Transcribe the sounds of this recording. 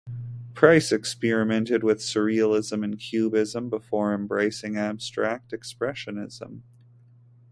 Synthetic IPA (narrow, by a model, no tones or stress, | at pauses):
pʰɹ̥aɪsɨkspɛɹɨmɛ̃ntɨd̚wɨð̥sɪɹiəl̩ˠɪzə̃mɨ̃nkʰj̥ʉbɪzə̃mbəfɔɹɨ̃mbɹeɪsɪ̃ŋæb̥stɹ̥æk̚tɨkspɹɛʃɨnɪz̥ə̰̃m